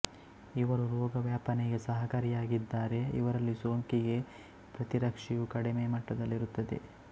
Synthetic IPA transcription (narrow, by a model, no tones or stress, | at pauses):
iʋɐɾuɾoːɡɐʋjaːpɐneɡe̞sɐɦɐkɐɾijaːɡid̪ːaːɾe̞ḭʋɐɾɐlːisoːŋkiɡe̞ | pɾɐt̪iɾɐkʂijukɐɽemeːmɐʈːɐd̪ɐlːiɾut̪ːɐd̪e̞̰